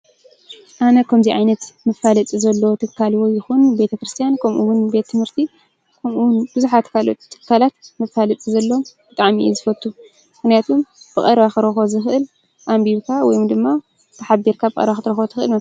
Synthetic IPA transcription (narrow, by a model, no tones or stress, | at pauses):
ʔanɐkʰɐmziʕajnɐt̪mɐfalɐt͡sʼizɐlːot̪ʰɨkʰːalwojɪxunbe̞t̪ʰɐkɾɨst̪ʰijankʰɐmʔuwʊnbe̞t̪ʰːɨmhɨɾt̪ʰi | kʰɐmunb̥ɨzuħat̪kʰalo̞̰t̪ʰːɨ̥kːalat̪mɐfalɐt͡s̪ʼizɐlːo̞mb̥ɨt̪ʼaʕmiḭzɨfɐt̪ʰʼːu | mɨxnijat̪ʰumb̥ɨkʼɐɾβaxɨɾɐxo̞zɨxʔɨl | ʔambikʰawɔjumd̪ɨmːa | t̪ʰɐħabiɾkʰabɨkʼɐ̰ɾβaxɨt̪ɾɐxo̞t̪ʰɨxʔɨlmɐ